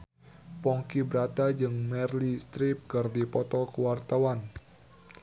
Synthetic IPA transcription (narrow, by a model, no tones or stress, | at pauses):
pɔŋkibɾat̪ad͡ʒɨŋmɛrlist̪ɾip̚kɨrdipɔt̪ɔkəwart̪awan